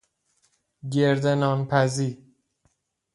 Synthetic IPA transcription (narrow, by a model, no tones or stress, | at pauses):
ɟeɾd̪enɒːnpʰæziːɾ